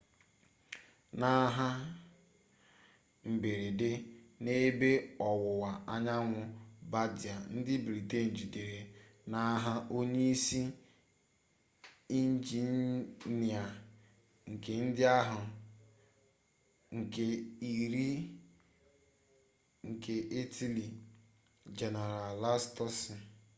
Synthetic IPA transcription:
na˦ɦa˦ | m̩˨be˨ɾe˨dɪ˦ne˦be˦ɔ˨wʊ˨wa˨a˦ɲa˦ŋʷʊ˦ba˦dɪ˨a˨n̩˦dɪ˦bɾi˨te˦˨n̩˨d͡ʒi˨de˨ɾe˨na˦ɦa˦ʔo˦ɲe˦i˦si˦ | i˦n˦d͡ʒi˨˦ni˨a˨ | ŋ̩˨ke˨n̩˦dɪ˦a˦ɦʊ˨ | ŋ̩˨ke˨i˨ɾi˦ | ŋ̩˨kʰe˨ʔi˦tʰi˦li˨ | d͡ʒe˨ne˨ɾa˨la˦stɔ˦s

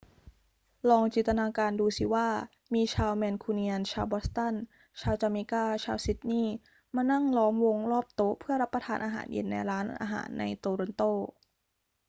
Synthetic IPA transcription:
lɔː˧ŋt͡ɕiː˨˩nt̪a˧naː˧kaː˧nduː˧si˧˦waː˥˩ | miː˧t͡ɕʰaː˧wmɛː˧nkʰuː˧ni˧a˧nt͡ɕʰaː˧wbɔ˦˥st̪a˥˩n | t͡ɕʰaː˧wt͡ɕaː˧miː˧kaː˥˩t͡ɕʰaː˧wsi˨˦˥t̪̚niː˥˩ | maː˧na˥˩ŋlɔː˦˥mwo˧ŋlɔː˥˩p̚t̪o˦˥pʰɯ˥˩ɐɾa˦˥pːɾa˧t̪ʰaː˧nʔaː˧ɦa̰ː˩˦njḛ˧nːa̰˧jɾaː˦˥nʔʔa̰ː˧ɦa̰ː˩˦nːa̰˧jt̪oː˧ɾo˧nt̪oː˥˩

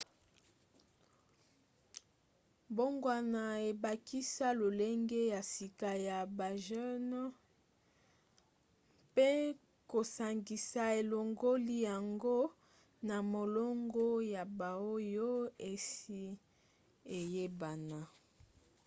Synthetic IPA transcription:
bo˦ŋɡwa˨na˨e˨ba˨kʰi˦sa˦lo˨le˦ŋɡe˦ja˨si˨ka˨ja˨ba˨ʒɛ˦n˦ | pe˦ | ko˨sa˨ŋɡi˨sa˨e˨lo˨ŋɡo˦li˦ja˨ŋɡo˦ | na˨mo˨lo˦ŋɡo˦ja˨ba˨o˦jo˦e˨si˦ | e˨je˦ba˨na˨

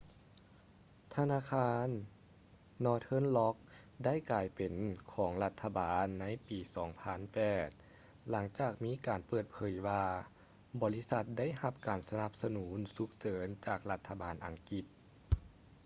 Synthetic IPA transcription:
t̪ʰa˧naː˧˥kʰaː˧˥nː | ɔː˧˩t̪ʰɤ˧˥˨nlɔ˦˥k̚ | da˥˨jklaː˨˩jpe˨˩nkʰɔː˩˦ŋla˧t̪ʰːa˧baː˨nːa˧˥jpiː˨˩sɔː˩˦ŋpʰa˧˥˨npɛː˨˩t̪̚ | la˩˦ŋt͡ɕaː˨˩k̚miː˧˥kaː˨˩npɤː˨˩t̪̚pʰɤː˩˦jwaː˧ | bɔː˨˦li˦˥sa˧t̪̚da˥˨jha˧p̚kaː˨˩nsa˧na˧p̚sa˧nuː˩˦nsu˧k̚sɤː˨˩˦nt͡ɕaː˨˩k̚la˧t̪ʰːa˧baː˨˩nʔa˨˩ŋki˧˩t̪̚

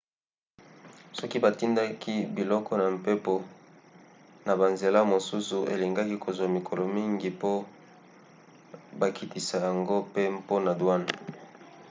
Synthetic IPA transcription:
sɔ˦ki˦ba˨ti˦nda˦ki˦bi˨lɔ˦kɔ˦na˨m˨pe˦po˨ | na˨ba˨nze˨la˦mo˨su˦su˨ʔḛ˨li˨ŋɡa˦ki˦kʰo˨zwa˨mi˨kʰɔ˨lɔ˨mi˦ŋɡi˨po˦ | ba˨kʰi˨ti˨sa˨ja˨ŋɡo˦pe˦po˦na˨dwa˦n˨

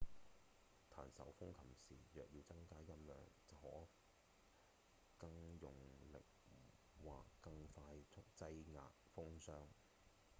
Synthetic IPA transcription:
t̪ʰa̰ː˨˩nsɐ̰˨˥wfʊ˥ŋkʰɐ˨˩msiː˨jœː˨k̚jiː˧wt͡sɐ˥ŋkaː˥jɐ˥mlœ̰ː˨˩ŋt͡sɐ˨˩whɔː˨˥ | kɐ˧ŋjʊ˨ŋlɪ̰˨k̚ | wa̰ː˨kːɐ˧ŋfaː˧jt͡sʰʊ˥k̚t͡sɐ˥jŋa̰ː˨t̚fʊ˥ŋsœː˥ŋ

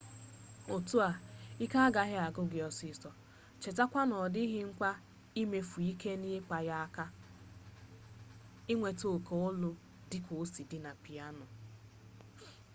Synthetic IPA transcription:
o˨tu˦a˨i˦ka˦a˦ɡa˨ɦɪ˦a˨ɡʊ˦ɡɪ˨ɔ˨si˨˦sɔ˨ | t͡ʃe˨ta˦kʷa˦nɔ˨dɪ˦ɦɪ˦ŋ̩˦kʷa˦ | i˦me˦fu˨i˦ke˦ni˦e˦k͡pa˨ja˦a˦ka˦ | ɪ˦ŋʷe˨to˨ko˨ʊ˦lʊ˦ | dɪ˦kʷo˨˦si˨dɪ˦na˨pi˨a˦nʊ˨

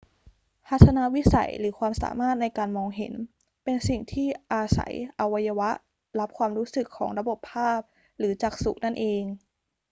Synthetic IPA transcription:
pʰa˦˥t̪ʰːa˧na˦˥wi˦˥sa̰˨˩˦jlɯː˩˦kʰwaː˧msa̰ː˩˦maː˥˩t̪̚na˧jkaː˧nmɔː˧ŋɦḛ˨˩˦n | pe˧nsi˨˩ŋt̪ʰiː˥˩ʔaː˧sa̰˩˦jʔa˧wa˧ja˧wa˦˥ʔ | la˦˥p̚kʰwaː˧mɾuː˦˥sɯ˨˩kʰːɔ̰ː˩˦ŋɾa˧bo˨˩pʰːaː˥˩p̚ | ɾɯː˩˦t͡ɕaː˨˩k̚su˨˩k̚na˥˩nʔeː˧ŋ

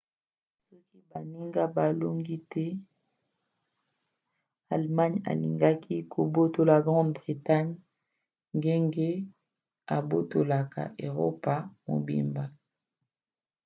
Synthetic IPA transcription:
sɔ˦ki˦ba˨ni˦ŋɡa˦ba˨lo˦ŋɡi˦tɛ˦ | a˨lma˦ɲa̰˨lḭ˨ŋɡa˦kʰi˦kʰo˨bo˦to˨la˨ɡʁɑ̃˦dbʁi˨ta˦ɲ | ŋɡe˦ŋɡe˦ | a˨bo˦to˨la˨ka̰˨ʔe˨ʁo̰˦pa˨mo̰˨bḭ˨mba˨

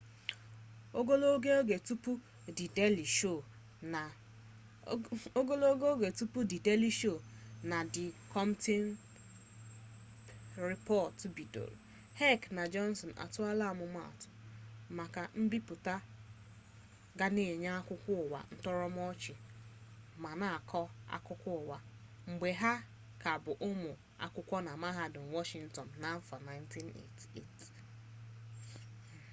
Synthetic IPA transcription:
o˦ɡo˦lo˦ɡe˦o˦ɡe˨tu˦pu˦ | dɪ˨de˦li˨ʃo˦˨ | na˨ | o˦ɡo˦lo˦o˦ɡe˦o˦ɡe˨tu˦pu˦dɪ˨de˦li˨˦ʃo˦˨na˨dɪ˨kʰɔ˦mte˦n | ɾi˨pɔ˦˨tbi˨do̰˨ɾṵ˨ | hɛ˦˨kna˨d͡ʒɔ˦n˦sɔ˨n˨ʔa̰˨tʊ˦a˦la˦˨mʊ˨ma̰˦˨tʊ̥˨ma˨ka˨m̩˦bi˦pʊ˨ta˦ | ɡa˦ne˨e˨ɲa˦a˦kʷʊ˦kʷʊ˦ʊ˨wa̰˨n̩˦tɔ˦ɾɔ˦m˦ɔ˦t͡ʃɪ˨ | ma˨na˨a˨kʰɔ˦a̰˦kʊ˦kʷʊ˦ʊ˨wa˨ | ŋ͡m̩˨ɡ͡be˨ɦa˦ | ka˨bʊ˨ʔʊ˦mʊ˨ | a̰˦kʷʊ˦kʷɔ˦na˨ma˦ɦa˦dʊ˨ŋ̩˨wɔ˦ʃi˦n̩˨tɔ˨n̩˨na˨˦m˦fa˨na˦ɪ˦n̩˦ti˦nḛ˨tḛ˦˨t

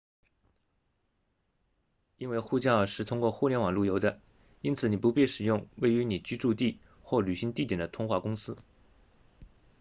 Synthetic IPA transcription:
i˥nwe˥˧ɪxu˥˧t͡ɕjɑ˥˧ʊʂɻ̩˥˩t̪ʰʊ˥ŋkwɔ˥˧xu˥˧˩ljɛ˧˥nwɑ˨˩ŋlu˥˩jo˧˥ʊd̪ə˧ | i˥nt͡sʰɹ̩˨˩ni˨˩pu˧˥pi˥˩ʂɻ̩˨˩jʊ˥˧ŋwe˥˩ɪy˧˥ni˨˩t͡ɕy˥ʈ͡ʂu˥˧t̪i˥˩ | xwɔ˥˩ly˨˩ɕi˧˥ŋt̪i˥˩t̪jɛ˨˩d̪ə˦t̪ʰʊ˥ŋxwa˥˩kʊ˥ŋsɹ̩˥

